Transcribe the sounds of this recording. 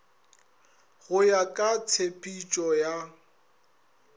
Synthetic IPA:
ɣʊjakʼat͡sʰepʼit͡ʃʼɔja

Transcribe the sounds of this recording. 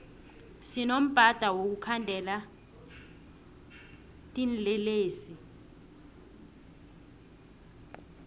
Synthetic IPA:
sinom̩b̥ʱad̥ʱawok̬ukʰandʱɛla | tʼinlɛleːsi

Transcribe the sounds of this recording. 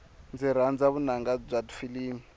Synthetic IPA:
nd͡ziɾand͡zaβunaŋɡab͡ʐʷadu̥filiːni

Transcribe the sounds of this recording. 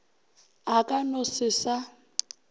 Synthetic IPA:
akʼanosɪsa

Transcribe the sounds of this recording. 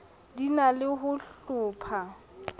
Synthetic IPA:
dinalɪɦʊɬʊːpʰa

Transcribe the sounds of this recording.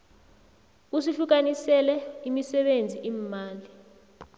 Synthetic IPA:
usiɬuk̬anisɛlɛimisɛɓend͡zʱiʔiːmmaːli

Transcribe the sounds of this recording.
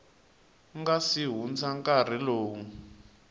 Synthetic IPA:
ŋɡasiɦund͡zaŋkar̤iloːŋ̩

